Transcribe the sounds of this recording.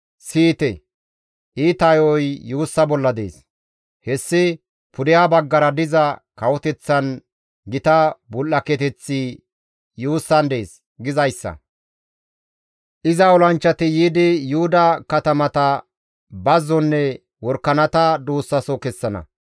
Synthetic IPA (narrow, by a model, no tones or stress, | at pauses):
siːt̪ɛ | ʔiːt̪ɐjɔjjuːsːɐbɔlːɐd̪ḛːs | hɛsːɪ | pʊd̪ɪjabɐɡːɐɾɐd̪ɪzɐkɐwɔt̪ɛt͡sːɐn | ɡɪt̪ɐbʊlːɐkɛt̪ɛt͡sːi | juːsːɐnd̪e̞ːs | ɡɪzɐjsːɐ̰ | ʔɪzɐɔlɐnt͡ʃːɐt̪ɪjiːd̪ɪjʊhʊd̪ɐkɐt̪ɐmɐt̪ɐ | bɐzːɔnːɛ | wɔɾkːɐnɐt̪ɐd̪uːsːɐsɔkɛsːɐnɐ̰